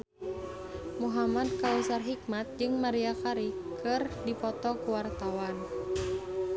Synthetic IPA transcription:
muɦamad̚kausarɦik̚mat̪̚d͡ʒɨŋmaɾiakaɾikɨrdipɔt̪ɔkuwart̪awan

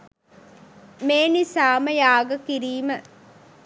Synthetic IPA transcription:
meːnisaːməjaːɡəkiɾiːmə

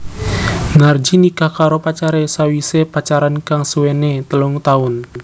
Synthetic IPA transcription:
nard͡ʒinikahkaɾopat͡ʃaɾesawisepat͡ʃaɾankaŋsuwenet̪əlʊŋt̪aʊn

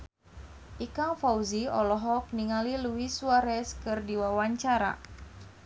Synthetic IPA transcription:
ʔikaŋfauziɔlɔɦɔk̚niŋaliluiswaɾɛskɨrdiwawaɲt͡ʃaɾa̰

